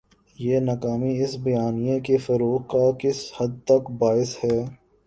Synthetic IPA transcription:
jeːnɐkaːmiɪsbɐjaːnijekefɐɾoːqkakɪshɐd̪̚t̪ɐkbaːɪshɛː

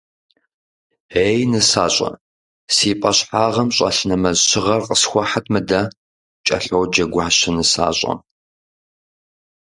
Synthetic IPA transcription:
eːjnɨsaːɕʼɐ̰ | siːpʼɐɕħaːʁɐmɕʼɐ̰ɬnɐmɐzɕɪʁɐrqʼəsxʷɔħatʰmɨdɐ | t͡ʃʼɐ̰ɬowd͡ʒɐɡʷaːɕɐnɨsa̰ːɕʼɐ̰

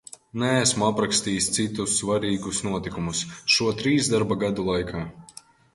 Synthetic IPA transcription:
nɛːsmuapɾakst̪iːst̪sit̪usːvaɾiːɡusnuɔt̪ikumusʃuɔt̪ɾiːzd̪aɾbaɡad̪ulˠajkʰaː

